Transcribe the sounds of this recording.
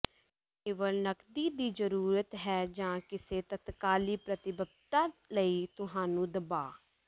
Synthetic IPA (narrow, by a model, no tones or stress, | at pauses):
keːʋəlnəkd̪iːd̪iːzəɾuːɾət̪ɦɛːd͡ʒãːkɪseːt̪ət̪kaːliːpɾət̪ɪbəb̚t̪ãːləiːt̪ʊɦãːnũːd̪əbaː